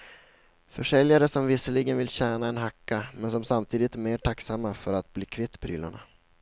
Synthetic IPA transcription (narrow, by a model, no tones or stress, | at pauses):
fœʂɛljaɾəsɔmvɪsəlɪɡənvɪlɕæːɳaɛnɦakːamɛnsɔmsamt̪ʰiːd̪ɪt̪æmeːʈʰaksamːafœɾat̪̚bliːkʰvɪt̪ːpʰɾy̰ːla̰ɳa̰